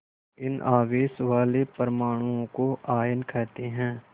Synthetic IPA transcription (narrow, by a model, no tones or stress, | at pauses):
ɪnaːʋeːsʋaːlepəɾmaːɽ̃uõkoʔaːjənkʰɛːt̪eɦɛ̃ː